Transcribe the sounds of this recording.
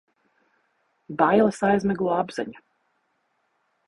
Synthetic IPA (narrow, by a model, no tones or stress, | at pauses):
bajlˠɐsajzmɛɡlˠɔːabz̥ɛ̰ɲu